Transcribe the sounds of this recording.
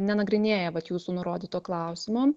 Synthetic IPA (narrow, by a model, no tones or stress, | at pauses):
nʲɛnɐɡɾʲɪnʲeːjɛʋɐt̪juːsuːnʊɾoːd̪ʲiːt̪oːklˠɐˑʊsʲɪmoː